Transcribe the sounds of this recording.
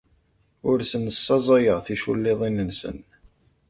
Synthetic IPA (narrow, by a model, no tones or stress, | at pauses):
ʊɾsənəsːɑzˤɑjəʁθiʃṵlːeðˤinənsə̰n